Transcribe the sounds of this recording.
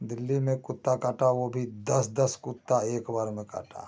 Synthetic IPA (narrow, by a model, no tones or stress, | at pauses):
d̪ɪlːimẽkʊt̪ːakaːʈawobʱid̪ɐsd̪ɐskʊt̪ːaeːkbaːɾmẽka̰ːʈa̰ː